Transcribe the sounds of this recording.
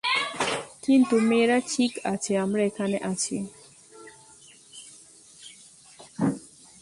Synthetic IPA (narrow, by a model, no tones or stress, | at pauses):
kint̪umeɾat͡ʃʰikʰat͡ʃʰɛamɾɛkanɛʔat͡ʃʰie